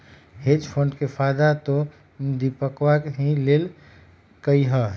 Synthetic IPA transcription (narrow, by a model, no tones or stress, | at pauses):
ɦed͡ʒpʰoɳɖkepʰajd̪at̪o | d̪ipəkʋakɦĩlel | kəjɦə